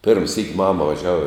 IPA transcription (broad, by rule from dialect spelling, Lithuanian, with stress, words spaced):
pʲɪrm sʲiːkʲ ˈmɑːmɐ ʋɐˈʒʲæːʋɐ